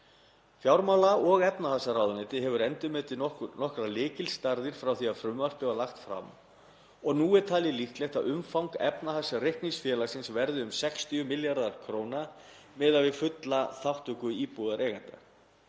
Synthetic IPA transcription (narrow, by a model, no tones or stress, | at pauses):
fjawɾmawlaɔɣɛpnahasaraːwðʏnɛːt̪ɪɦɛvʏɾɛnt̪ʏmɛːt̪ɪnɔhkɾalɪːcɪlst̪aɾðɪɾ̥fɾawθiaðfɾʏmːar̥pɪvalaxt̪fɾa̰m | ɔɣnuːɛɾ̥t̪ʰaːlɪliht̪lɛht̪aðʏmfawŋkaʔɛpnahasarejhkniŋsfjɛːlasɪnsvɛɾðʏʏmsɛkst̪iʏmɪljaɾðaɾ̥kʰɾoːwna | mɛːðavɪfʏt̪laθawht̪ʏkʏiːpuðaɾʔeːɣant̪a